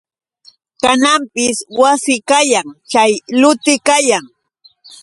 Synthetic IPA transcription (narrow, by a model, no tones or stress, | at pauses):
kanampɪswasɪkajaŋt͡ʃajlʊt̪ɪkajaŋ